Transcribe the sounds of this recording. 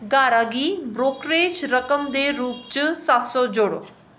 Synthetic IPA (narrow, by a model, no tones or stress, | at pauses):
ɡaːɾaɡiːbɾoːkɾeːd͡ʒɾəkəmd̪eɾuːpt͡ʃɨsaːt̪sɔd͡ʒoːɽo̰